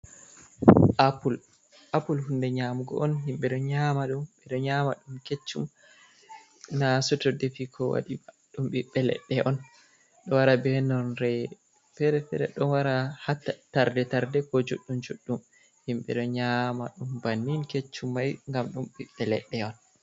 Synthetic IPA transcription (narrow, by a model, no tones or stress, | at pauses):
ʔapul | ʔapulhundɛɲamɡɔ̰ʔɔnhimɓɛɗɔɲamaɗumɓɛɗɔɲama̰ɗumket͡ʃːum | nasɔtɔdefikʰɔwa̰ɗi | ɗumɓiɓːɛlɛ̰ɗːɛʔɔn | ɗɔwaɾabɛnɔnɾɛ | fɛɾɛfɛɾɛ̰ɗɔnwaɾahatːataɾdɛtaɾdɛkɔd͡ʒoɗːumd͡ʒoɗːum | himɓɛɗɔɲama̰ɗumbanːinket͡ʃːumːajŋɡamɗumɓiɓːɛlɛ̰ɗːɛɔn